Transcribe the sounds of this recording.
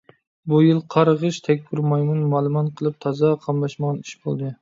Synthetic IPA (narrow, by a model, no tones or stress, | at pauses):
bujɪlˠqʰɑɾəʁəʃt̪ʰɛkʲbɪɾmɑjnɨnmɑlˠɨmɑt̪qʰəlˠɨp̚t̪ʰɑzɑqʰɑmlˠɑʃmɑʁɑniʃbo̰lˠd̪ɨ